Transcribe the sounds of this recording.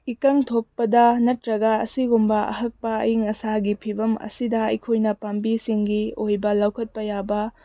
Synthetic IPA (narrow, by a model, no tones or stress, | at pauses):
ikɐŋtʰok̚pɐdɐnɐtɾɐɡɐːsiɡumbɐɐ̰ɦɐk̚pɐɐ̰jiŋɐsaɡipʰibɐmɐ̰sidɐɐ̰jkʰojnɐpambisiŋɡiojbɐlɐwkʰɐt̚pɐjabɐ